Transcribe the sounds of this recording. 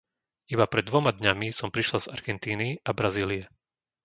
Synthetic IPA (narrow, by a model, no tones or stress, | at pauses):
ibapɾɛd̪ːʋɔmad̪ɲamisɔmpɾiʃlaz̥a̰ɾɡɛnt̪iːniabɾaziːliɛ